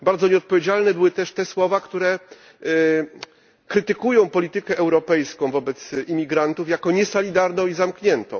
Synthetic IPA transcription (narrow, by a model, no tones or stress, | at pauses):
baɾd̪zɔɲɛɔt̪̚pɔvʲed͡ʑalnɛbɘwɘt̪ɛʂt̪ɛswɔvakt̪uɾɛ | kɾɘt̪ɘkujɔ̃w̃pɔlʲit̪ɘkɛʔɛwɾɔpɛjskɔ̃w̃vɔbɛt̪simʲiɡɾant̪ufjakɔɲɛsɔlʲid̪aɾnɔ̃w̃izamkɲɛnt̪ɔ̃w̃